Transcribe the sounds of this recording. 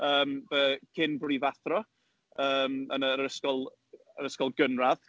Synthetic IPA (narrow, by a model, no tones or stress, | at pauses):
əːmvəkʰɪnbrɪvaθrɔ | əːmə̰nəɾəskɔlˠ | əɾəskɔlˠɡənrað